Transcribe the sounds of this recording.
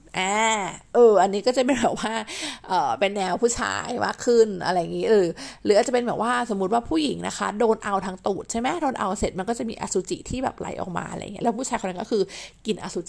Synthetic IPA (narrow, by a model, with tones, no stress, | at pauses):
ʔɛː˧˩ʔɤː˧˩ʔa˧nːiː˦˥kɔː˥˩t͡ɕa˨˩pe˧nbɛː˨˩p̚waː˥˩ʔɤː˨˩pe˧nːɛː˧wpʰuː˥˩t͡ɕʰa̰ː˧jma̰ː˥˩kʰːɯ˥˩nʔa̰˧ɾa˧jːa˨˩ŋiː˦˥ɾɯː˨˩˦ɾɯː˨˦aː˨˩t͡ɕa˨˩pe˧bɛː˨˩t̚waː˥˩so˩˦mu˦t̪̚waː˥˩pʰuː˥˩ji˨˩˦ŋna̰˦˥kʰa̰˦˥doː˧nʔa˧wt̪ʰaː˧ŋt̪uː˨˩t̪̚t͡ɕʰa˥˩jma˦˥doː˧nʔa̰˧wse˨˩t̪̚ma˧nkɔː˥˩t͡ɕa˨˩miː˧ʔaː˧suː˨˦t͡ɕḭ˨˩t̪ʰiː˥˩bɛ̰ː˨˩p̚la̰˨˦jʔɔ̰ː˨˩k̚ma̰ː˧a̰˧ɾa̰˧ja̰˨˩ŋi˦˥˧lːɛ˦˥pʰuː˥˩t͡ɕʰaː˧jkʰna˦˥kɔː˥˩kʰɯː˧ki˨˩nʔa̰ː˧suː˨˧˦t͡ɕ